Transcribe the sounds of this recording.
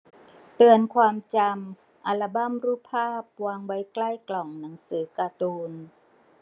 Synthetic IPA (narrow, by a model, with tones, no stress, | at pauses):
t̪ɯ˧ənkʰwaː˧mt͡ɕa˧m | ʔa˧la˧ba˥˩˨mɾuː˥˩pʰaː˥˩p̚waː˧ŋwa˦˥jkla˥˩jklɔ˨˩ŋna˩˦ŋsɯː˩˦kaː˧t̪uː˧n